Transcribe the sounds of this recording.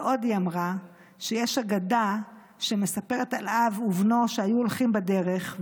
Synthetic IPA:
ʔo̞djamʁa | ʃejeʃaɡada | ʃeme̞sape̞ʁetalʔavuvno̞ʃeajuolχimbade̞ʁe̞χ

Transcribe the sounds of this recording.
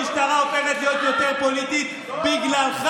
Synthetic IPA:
iʃt̪aʁaopeʁet̪lejot̪jo̞t̪e̞ʁpo̞lit̪it̪ | biɡlalχ

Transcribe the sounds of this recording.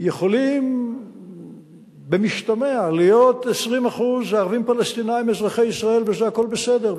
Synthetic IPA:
jeχo̞lim | bemiʃt̪ame̞alijo̞t̪esʁimaχuzleaʁvimpalest̪inajimezʁaχejisʁae̞lvezehako̞lbesede̞

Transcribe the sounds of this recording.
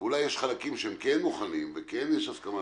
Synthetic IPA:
ulajːeʃχalakimʃehemkenmuχanimvekenjeʃazkama

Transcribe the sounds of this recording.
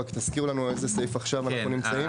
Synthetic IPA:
akt̪askiʁlanuezesejfaχʃavanaχnunimt͡saim

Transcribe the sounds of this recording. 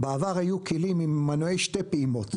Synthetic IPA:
beavaʁhajukilimimːanuejʃte̞peimo̞t̪

